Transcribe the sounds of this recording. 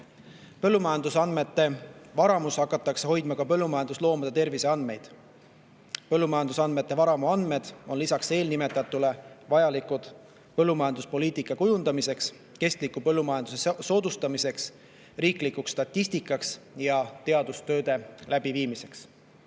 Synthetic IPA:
pɤlːumɑjɑnd̪usɑnme̞t̪ːe̞vɑɾɑmushɑkːˑɑt̪ːˑɑkseho̞jd̪̥mɑkɑpɤlːumɑjɑnd̪uslo̞ːmɑd̪̥et̪e̞rvise̞ɑnd̪me̞jd̪̥ | pɤlːumɑjɑnd̪usɑnd̪me̞t̪ːˑe̞vɑɾɑmuɑnd̪me̞d̪̥o̞nlisɑkse̞ːlnime̞t̪ːˑɑt̪ːˑule̞vɑjɑlikud̪̥ | pɤlːumɑjɑnd̪uspo̞liːt̪ikːˑɑkujund̪̥ɑmise̞ks | ke̞st̪likːˑupɤ̞lːumɑjɑnd̪use̞so̞ːd̪ust̪ɑmise̞ks | riːklikukst̪ɑt̪ːisʲt̪ikːˑɑksjɑt̪e̞ɑd̪ust̪ø̞ːd̪e̞læb̥iviːmise̞ks

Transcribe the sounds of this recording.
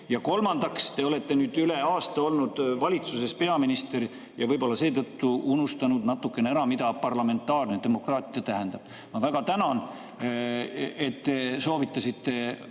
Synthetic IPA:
jɑko̞lmɑnd̪̥ɑkst̪e̞o̞le̞t̪ːe̞nyːd̪yle̞ɑːst̪ɑo̞lnud̪̥vɑlʲit̪suse̞spe̞ɑminist̪e̞ɾ | jɑvɤjbo̞lːɑse̞ːt̪ɤt̪ːuunust̪ɑnud̪̥nɑt̪ːˑukːˑeneæɾɑmid̪̥ɑpɑrlɑme̞nt̪ːˑɑːrned̪̥e̞mo̞krɑːt̪ːˑiɑt̪æɦend̪ɑb̥̚ | mɑvæɡ̥ɑt̪ænɑn | e̞t̪ːe̞so̞ːvit̪ːˑɑsit̪ːe̞

